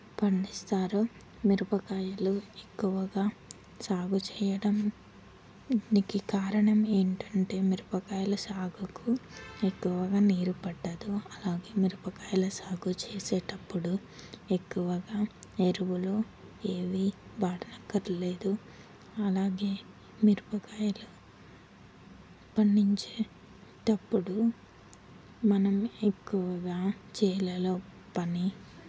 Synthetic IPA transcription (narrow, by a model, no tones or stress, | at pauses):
pɐɳɖist̪aːɾu | miɾupɐkaːjɐluekːuʋɐɡaː | saːɡut͡ʃɛːjɐɽɐm | nikikaːɾɐɳɐmeːɳʈɐɳʈe̞ːmiɾupɐkaːjɐlɐsaːɡukuekːuʋɐɡaːniːɾupɐɖːɐd̪uɐlaːɡeːmiɾupɐkaːjɐlɐsaːɡut͡ʃeːseːʈɐpːuɽu | ekːuʋɐɡaːeɾuʋuloː | eːʋibaːʈɐnɐkːɐɾleːd̪u | ɐlaːɡeː | miɾupɐkaːjɐlɐ | pɐɳːiɲt͡ʃeː | ʈɐpːuɽu | mɐnɐmekːuʋɐɡaːt͡ʃɛːlɐloː | pɐni